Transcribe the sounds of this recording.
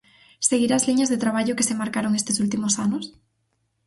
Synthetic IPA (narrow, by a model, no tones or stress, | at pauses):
seɣiɾazliɲazðet̪ɾaβ̞aʎokesemaɾkaɾoŋest̪esult̪imosanos